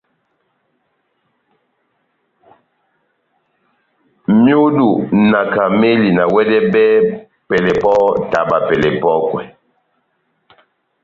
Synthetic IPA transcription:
mju˦du˨na˨ka˨me˦li˨na˨wɛ˦dɛ˦bɛ˦ | pɛ˨lɛ˨pɔ˦ta˨ba˨pɛ˨lɛ˨pɔ˦kwɛ˨

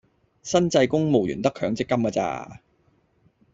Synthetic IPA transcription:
sɐ˥nt͡sɐ˧jkʊ˥ŋmo˨wjyː˨˩nt̪ɐ˥kʰœː˨˧˥ŋt͡sɪ˥kːɐ˥mka˧t͡sa̰ː˧

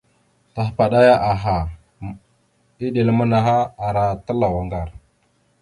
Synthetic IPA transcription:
ta˨ɦpa˨ɗa˦ja˦ʔa˨ɦa˨ | i˦ɗi˨lə˦mə˦na˨ɦa˦a˨ɾa˨tə˦la˨wa˨ŋɡa˨ɾ

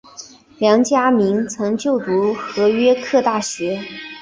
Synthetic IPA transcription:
ljɑ˧˥ŋt͡ɕja˥mi˧˥nt͡sʰɤ˧˥ŋt͡ɕjo˥˩ʊt̪u˧˥xɤ˧˥ɥɛ˥kʰɤ˥˧t̪a˥˩ɕɥɛ˧˥

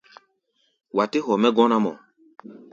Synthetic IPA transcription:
wa˨te˦hɔ˨mɛ˦ɡɔ̃˦na˦mɔ̰˨

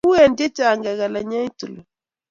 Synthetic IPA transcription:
u˦ɛ˨nde˦t͡ʃa˨ŋɡɛ˨ɣa˨la˨ɲa˦i˦tu˨lɔ˨

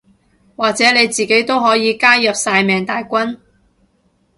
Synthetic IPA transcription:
waː˨k̚t͡sɛː˨˥ne˨˧jt͡siː˨ke˨˥jt̪o˥wɦɔː˨˥jiː˨˧kaː˥jɐ˨p̚saː˧jmɛː˨˩ŋt̪aː˨jkʷɐ˥n

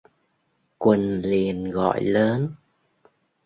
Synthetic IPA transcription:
kwə˨˩nli˨˩ənɣɔ̰˧˨jləː˨˦n

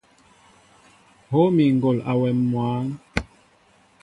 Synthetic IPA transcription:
ho˦mi˨ŋ˨ɡo˨la˨wɛ˨mːwaː˨˦n

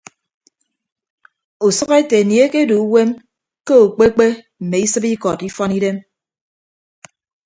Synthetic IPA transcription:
u˨sɔ˦ɣe˦te˨ni˨e˦ke˦du˨u˦we˦m | ke˦o˨k͡pe˦k͡pe˦ | m̩˨me˨i˦sɨ˦pi˦kɔ˨ti˦fɔ˦ni˦de˦m

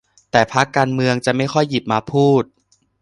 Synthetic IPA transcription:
t̪ɛː˨˩pʰa˦˥kːaː˧nmɯ˧əŋt͡ɕa˨˩ʔma˥˩jxʰɔ˥˩jːi˨˩p̚maː˧pʰuː˥˩t̪̚

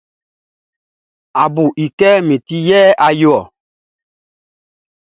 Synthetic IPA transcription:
a˨bu˨ʔi˨kɛ˦me˨ti˦jɛː˦ʔa˨jo˦ɔ˨

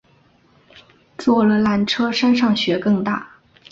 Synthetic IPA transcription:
t͡swɔ˥˩lə˩la˧˥nʈ͡ʂʰɤ˥ʂa˥nʂɑ˥˩ŋɕɥɛ˧˥kɤ˥˧ŋt̪a̰˥˩

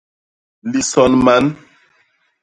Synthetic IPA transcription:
li˨sɔ˨nma˨˦n

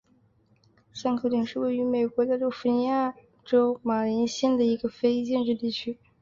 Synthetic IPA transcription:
sa˥˧ŋkʰɤ˥˩t̪i˨˩ŋʂɻ̩˥˧we˥˩ɪy˧˥me˨˩ɪkwɔ˧˥t̪a˥˧lo˥˩ʊfu˥˩ni˧˥ja˥˩ | ʈ͡ʂo˥ʊma˨˩li˧˥nɕɛ˥nd̪ə˨i˧˥ɡə˧fe˥ɪt͡ɕjɛ˥˧nʈ͡ʂɻ̩˥˧t̪i˥˩t͡ɕʰy˥

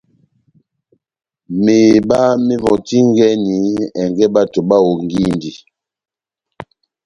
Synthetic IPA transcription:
me˨ba˦mi˦vɔ̃˨ti˦ŋ˦ɡɛ˦ni˨˦ɛ˨ŋɡɛ˦ba˦to˨ba˦wo˨ŋɡi˦ndi˨

